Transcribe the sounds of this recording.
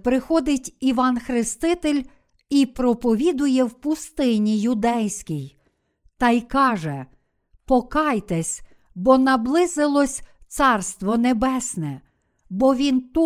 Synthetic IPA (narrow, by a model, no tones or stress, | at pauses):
pɾɪxɔd̪ɪtʲiʋɑnxɾɪst̪ɪt̪elʲ | ipɾɔpɔʋʲid̪ʊjɛwpʊst̪ɪnʲijʊd̪ɛjsʲkʲij | t̪ɑjkɑʒɛ | pɔkɑjt̪ɛsʲ | bɔnɐblˠɪzɪlˠɔsʲt̪sɑrst̪ʋɔnebɛsʲnɛ | bɔʋʲint̪u